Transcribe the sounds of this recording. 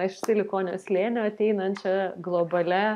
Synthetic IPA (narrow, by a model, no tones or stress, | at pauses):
ɐɪʃʲt̪ʲɪlʲɪkoːnʲo̰sʲlʲeːnʲoːɐt̪ʲɛɪnɐnt͡ʃʲɛɡlˠoːbɐlʲɛ